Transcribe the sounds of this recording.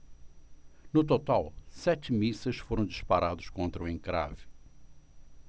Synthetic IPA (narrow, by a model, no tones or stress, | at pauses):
nʊt̪ot̪awsɛt͡ʃ̪ɪmisɐʃfoɾɐ̃w̃d̪iʃpaɾad̪ʊʃkõnt̪ɾɐuẽŋkɾa̰vɪ̥